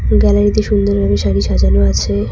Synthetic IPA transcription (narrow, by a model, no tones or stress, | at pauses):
ɡɛlaɾit̪iʃund̪oɾɡaniʃaɽiʃad͡ʑanoat͡ɕʰe